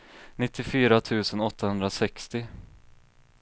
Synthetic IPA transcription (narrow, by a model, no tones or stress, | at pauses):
nɪt̪ʰːɪfyːɾat̪ʰʉ̟ːsənɔt̪ːahɵnd̪ɾasɛkst̪ɪ